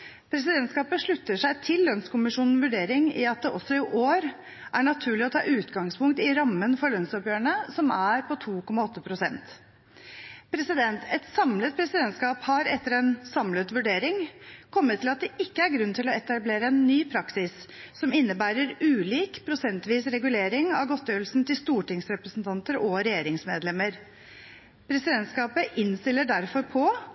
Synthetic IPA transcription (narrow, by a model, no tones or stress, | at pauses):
pʰɾɛsɪd̪ɛnt̪skɑːpəʂɭʉt̪ːəʂæɪt̪ʰɪlːœnskʊmɪʂuːnn̩ʋʉɖeːɾɪŋɪɑt̪̚d̪ɛʔɔsːɔɪʔoːɾ | ʔæɳɑt̪ʰʉːɭɪɔt̪ʰɑ̰ːʔʉːt̪ɡɑŋspʰʊŋk̚t̪ɪɾɑmːənfɔɾɭœnsɔpjøːɾəɳəsɔmæɾpɔt̪ʰuːkɔmːɑɔt̪ːəpʰɾʊsɛ̰nt̪ | pʰɾɛsɪd̪ɛnt̪ʰɛt̪sɑmlət̪̚pʰɾɛsɪd̪ɛnt̪skɑːphɑɾɛt̪ːəɾɛnsɑmlət̪ʋʉɖeːɾɪŋkʰɔmːət̪ʰːɪlɑt̪̚d̪ɛʔɪkːəæɾɡɾʉnːt̪ʰɪlɔɛt̪ɑbleːɾəɛnːyːpʰɾɑksɪsː | ɔmɪnːəbæːɾəɾʉːliːkpʰɾʊsɛnt̪ʋiːsɾɛɡʉleːɾɪŋɑʋɡɔt̪ːjøːlsn̩t̪ɪlst̪uːʈɪŋsɾɛpɾəsn̩t̪ʰɑnt̪əɾɔɾɛjeːɾɪŋsmeːd̪lɛmːəɾ | pʰɾɛsɪd̪ɛnt̪skɑːpəʔɪnst̪ɪlːəɖæɾfɔɾpʰɔ